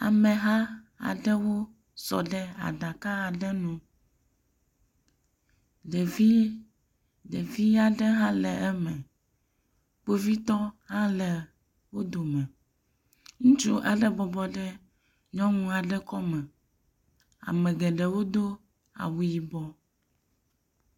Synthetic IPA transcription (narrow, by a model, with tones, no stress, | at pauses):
a̰˨mɛ̃˨ɦã˦a̰˨ɖɛ˦wo˦ | sɔ̰˨ɖɛ˦a̰˨ɖa˨ka˦a˨ɖɛ˦nũ˨ | ɖɛ˨vi˦ | ɖe˨vi˦a˨ɖɛ˦ɦã˦lɛ˨ɛ˦mɛ̃˨ | k͡po˦vi˦t̪ɔ˦hã˦lɛ˨ | wo˦d̪o˨mɛ̃˨ | ŋũ˦t͡ʃu˦ʔɛ˦ɖɛ˦bɔ˨bɔ˨ɖɛ˦ | ɲɔ̃˦ŋũ˦a˨ɖɛ˦kɔ˦mɛ̃˨ | a̰˨mɛ̃˨ɡɛ˨ɖɛ˨wo˦d̪o˦ | a̰˨wu˨ji˨bɔ˦